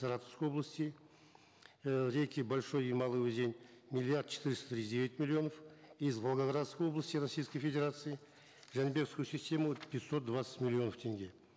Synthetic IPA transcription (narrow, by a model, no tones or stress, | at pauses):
saɾat̪əfskəjo̞blˠəsʲt̪ʲi | ɾʲejkʲibolʲʃo̞jimɑlˠɨud̪ʲenʲmʲilʲːiart̪t͡ʃʰɪ̥t̪ɨɾɪst̪t̪ɾʲid̪ʲevʲɪt̪ʲmʲɪlʲːio̞nəfizvolˠɡaɡɾat̪skəjo̞blˠəsʲt̪ʲiɾɐsʲijskəjfʲe̞dʲeɾat̪sɨjɪ | ʒanbʲe̞kskujusʲisʲt̪ʲe̞mupʰʲɪt̪so̞t̪̚d̪vat̪sə̥t̪mʲɪlʲːio̞nəft̪ʰe̞ŋɡʲe̞